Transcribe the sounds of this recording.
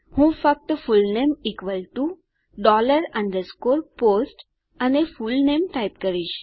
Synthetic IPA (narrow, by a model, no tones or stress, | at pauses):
hũːfək̚t̪fulnemikʋəlʈu | ɖɔləɾãɳɖ̪əskoɾposʈ | anefulnemʈajp̚kəɾiːɕ